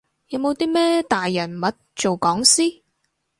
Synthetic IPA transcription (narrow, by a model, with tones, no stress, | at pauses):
jɐ˨˧wmo˨˧wt̪iː˥mɛː˥t̪aː˨jːɐ˨˩nmɐ˨˥t̚t͡so˨wkɔː˨˥ŋsiː˥